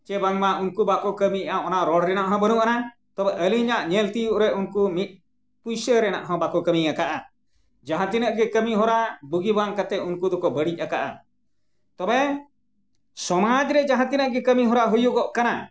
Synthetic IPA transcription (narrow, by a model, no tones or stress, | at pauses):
t͡ʃɛbaŋmaʔunkubakɔkəmiaɔnaʔɾɔɽɾɛnaʔɦɔ̃bənuʔana | t̪ɔbɛʔəliɲaʔɲɛlt̪ijuʔɾɛʔunkumit̪̚ | pujsəɾɛnaʔɦɔ̃bakɔkəmiakaʔa | d͡ʒãɦãt̪inəʔɡɛkəmiɦɔɾabuɡibaŋkat̪ɛunkud̪ɔkɔbəɽic̚ˀakaʔa̰ | t̪ɔbɛ | sɔmad͡ʒɾɛd͡ʒãɦãt̪inəʔɡɛkəmiɦɔɾaɦujuɡɔʔkana